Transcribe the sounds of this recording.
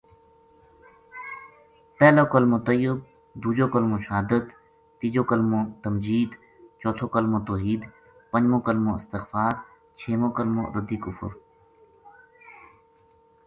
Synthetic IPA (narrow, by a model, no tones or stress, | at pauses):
pɛːloːkəlmõːt̪əjɪb̚ | d̪uːd͡ʒoːkəlmõːʃaɦd̪ət̪ | t̪iːd͡ʒoːkəlmõːt̪əmd͡ʒiːd̪ | t͡ʃɔːt̪ʰoːkəlmõːt̪oːɦiːd̪ | pə̃ɲd͡ʑmõːkəlmõːɪ̰st̪ɪxfaːɾ | t͡ʃʰeːmõːkəlmõ̰ːɾəd̪iːkʊfʊ̰ɾ